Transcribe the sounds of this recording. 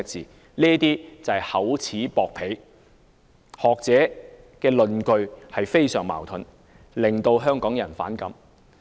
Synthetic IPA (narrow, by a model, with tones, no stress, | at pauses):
k̚t͡siː˨ | liː˥t̪iː˥t͡sɐ˨˩jhɐ˨˥wt͡sʰiː˨˥pɔː˨˧k̚pʰe˨˥j | hɔː˨k̚t͡sɛː˨˥ | kɛː˧lɵ˨nkɵ˧ɥhɐ˨jfe˥jsœː˨˩ŋma̰ː˨˩wt̪ʰɵ˨˧n | lɪ˨ŋt̪o˧wɦœː˥ŋkɔː˨˥ŋjɐ˨˩nfa̰ː˨˥nkɐ̰˨˥m